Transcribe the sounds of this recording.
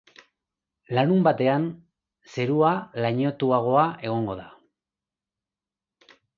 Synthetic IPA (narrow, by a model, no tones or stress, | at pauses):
lanumbat̪e̞an | se̞ɾualaɲo̞t̪uaɣ̞o̞ae̞ɣ̞o̞ŋɡo̞ða